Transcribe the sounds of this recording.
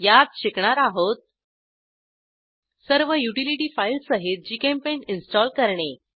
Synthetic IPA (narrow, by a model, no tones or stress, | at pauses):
jat̪ɕikɳ̃aɾaɦot̪̚ | səɾʋəjuʈiliʈiːfajlsəɦit̪̚d͡ʑikempeɳʈinsʈɔlkəɾɳe